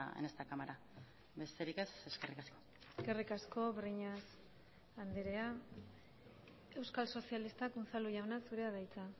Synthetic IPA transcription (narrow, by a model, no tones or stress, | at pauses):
ḛnest̪akamaɾa | be̞st̪e̞ɾikese̞skerikasko̞ | eske̞rikasko̞βriɲas | and̪eɾea | e̞wskalso̞sialist̪akunsaluʝawnasuɾe̞aðajt͡sa